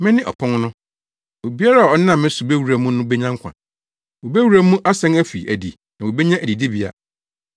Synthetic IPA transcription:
mɪ̃˦nɪ̃˦ʔɔ̰˨pʰɔ̃˦ŋnʊ̃˦ | o˨bi˦a˦ɾa˦˨ɔ˦nã˦˨mːɪ̃˦su˨be˦wu˨ɾæ˨mũ˦nʊ̃˦bɛ˦ɲã˦ŋ˦kʷʰã̰˨ | o˨be˦wu˨ɾæ˦mũ˦ʔa˦sɛ̃˦næ˦fi˨æ̰˨di˨ | nã˨wo˨be˦ɲã˦ʔæ˨di˨di˦bi˨a̰˨

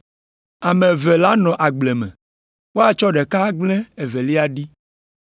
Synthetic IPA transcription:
a˨mẽ˨vɛ˨la˦nɔ̃˨ʔa˨ɡ͡blɛ˨mɛ̰̃˨ | wo˦a˨t͡ʃɔ˦ɖɛ˨ka˦ɡ͡blɛ˦e˨ve˨li˦a˦ɖi˦

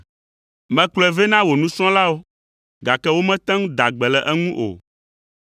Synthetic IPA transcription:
mɛ̃˨klɛ˨ve˦nã˦wo˨nũ˦sɔ̃˦la˦wo˦ | ɡa˨kɛ˦wo˦mɛ̃˦t̪ɛ̃˦ŋũ˦d̪a˨ɡ͡bɛ˨lɛ˨ʔɛ˦ŋũ˦ʔo̰˨

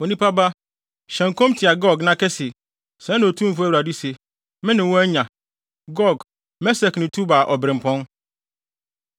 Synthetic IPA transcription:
o˨nĩ˦pa˦ba˦ | ɕɛ̃˨ŋ˨kõ˦mtʰɪ˨a˨ɡɔ˦ɡnã˦kɛ˦sɪ˨ | sɛ̃˨˦ñ˨tʰũ˦m̩˨fʊ˦æ˦wu˨ɾa˨di˦se˨ | mɪ̃˦nɪ̃˨wɔ̃˦ɛ˦ɲã˨ | ɡɔ˦˨ɡ | mɛ˦sɛ˨knɪ̃˨tʰu˦ba˨ʔɔ˨bɾɪ̃˨m̩˨pʰɔ̃˦n

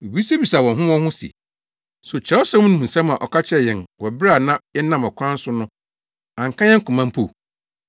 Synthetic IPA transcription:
e˨bi˨˦se˦bi˨sa˨wɔ̃˨nɦʊ̃˦wɔ̃˦hʊ̃˦sḭ˨ | so˨t͡ɕʰɛ˨˦ɔ˦sɛ̃˦m˦nʊ̃˦hũ˨n̩˨sɛ̃˦mã̰˨ʔɔ˨kʰa˦t͡ɕʰɛ˦˨jɛ̃˨nwɔ˨bɾa˨nã˦jɛ˦nã˦˨mɔ˨kʰʷã˦n˦sʊ˦nʊ̃˦ | ã˨ŋ˨kʰã˦jɛ˦kʰʊ̃˨mã˦m˦pʰo̰˨

